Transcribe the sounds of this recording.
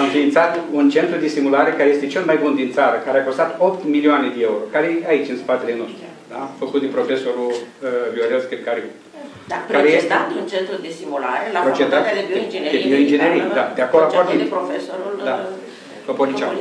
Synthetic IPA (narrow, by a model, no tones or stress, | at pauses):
amɨ̃mfiint̪sat̪unt͡ʃe̞nt̪ɾud̪e̞simulaɾe̞kaɾeje̞st̪e̞t͡ʃe̞lmajbund̪int̪saɾəkaɾeako̞st̪at̪o̞pt̪milioane̞d̪ee̞uɾo̞kaɾeait͡ʃʲɨnspat̪e̞leno̞st̪ɾu | d̪afəkut̪̚d̪epɾo̞fe̞so̞ɾullioɾelskipkaɾi | pkaɾejest̪et̪unt͡ʃent̪ɾud̪esimulaɾepɾot͡ʃet̪at̪ed͡ʒd̪eioind͡ʒeneɾijd̪ad̪eakoloaobineofesoɾud̪a | popolit͡ʃa